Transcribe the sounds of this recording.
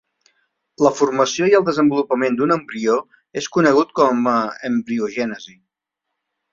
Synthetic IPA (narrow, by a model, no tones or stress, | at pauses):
ləfurməsioiəlˠd̪əzəmbulupəmend̪unəmbɾio | eskunəɣ̞ut̪̚kɔməəmbɾiuʒɛnəzi